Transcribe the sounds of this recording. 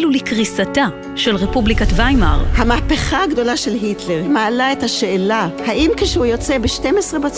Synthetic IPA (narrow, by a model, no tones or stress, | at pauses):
lulikʁisata | ʃe̞lʁepublikat̪vajma̰ʁhamaːpeχaaɡdo̞laʃelɦitleʁmaːlaethaʃeːlahaʔimkeʃehujo̞t͡sebeʃte̞mesʁebat͡s